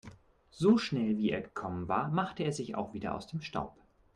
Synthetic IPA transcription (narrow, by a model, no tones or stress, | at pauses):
z̥oːʃnɛlviːeːɐɡəkʰɔmənva̰ːɐmaχtəeːɐzɪça̰ʊxv̥iːdɐ̰ʔa̰ʊsd̥eːmʃta̰ʊp